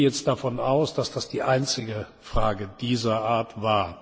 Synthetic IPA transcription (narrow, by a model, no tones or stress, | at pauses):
jɛt͡st̚d̥afɔnʔaʊsd̥asd̥asd̥iːʔaɪnt͡sɪɡə | fʁ̥aːɡəd̥iːzɐʔaːɐtvaːɐ